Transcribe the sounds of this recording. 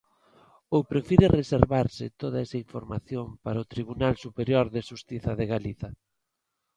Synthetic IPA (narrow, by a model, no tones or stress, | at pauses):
opɾefiɾereseɾβaɾsɪt̪oðaɛsaiɱfoɾmaθjompaɾaot̪ɾiβ̞unalsupeɾjoɾðɪʃust̪iθɐðeɣaliθɐ